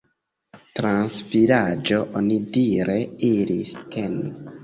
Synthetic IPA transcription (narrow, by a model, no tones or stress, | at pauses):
tɾansvilad͡ʒo̞ʔonidiɾe̞iɾistʰen